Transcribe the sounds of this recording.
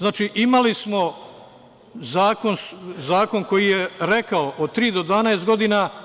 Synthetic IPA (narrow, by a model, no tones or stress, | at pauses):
znaːt͡ʃiʔimalismo̞ | zaːko̞nszaːko̞ŋko̞jijeɾe̞kaoʔod̪̚t̪ɾiːd̪od̪ʋaːnaest̪ɡo̞d̪ina